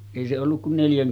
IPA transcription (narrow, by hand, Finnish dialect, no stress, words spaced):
eˑi se olːuk kun neljæŋ